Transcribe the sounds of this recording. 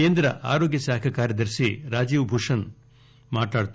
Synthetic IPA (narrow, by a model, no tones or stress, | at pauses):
eːnd̪ɾɐʔa̰ːɾoːɡjɐsaːkʰɐkaːɾjɐd̪ɐɾsiɾaːd͡ʒiːʋbʱuʂɐn | maːʈaːɽt̪